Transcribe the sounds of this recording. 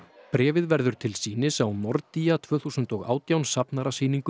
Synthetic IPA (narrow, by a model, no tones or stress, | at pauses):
pɾɛːvɪðvɛɾðʏɾ̥t̪ʰɪlsiːnɪsawmɔɾt̪iːjat̪ʰvœːθusʏnt̪ɔɣa̰ːwt̪jawnsapnaɾasiːniŋkʏ